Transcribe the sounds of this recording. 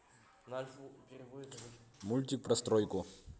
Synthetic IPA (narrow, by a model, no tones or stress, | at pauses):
mulʲt̪ʲik̚pɾɐst̪ɾɔjkʊ